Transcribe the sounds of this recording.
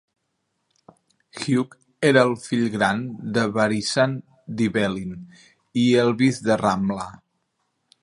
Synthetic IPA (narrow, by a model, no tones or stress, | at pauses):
xjuk | eɾəːlˠfiʎɣɾand̪əβaɾisan | d̪iβɛlin | iəlˠβizd̪əramla